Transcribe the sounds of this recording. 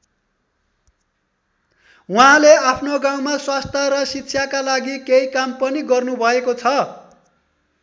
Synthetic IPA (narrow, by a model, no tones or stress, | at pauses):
wuɦãleapʰnoɡaw̃maswast̪ʰʌɾʌsit̪ːsʰjakalaɡikeikampʌniɡʌrnubʱʌekot͡sʰʌ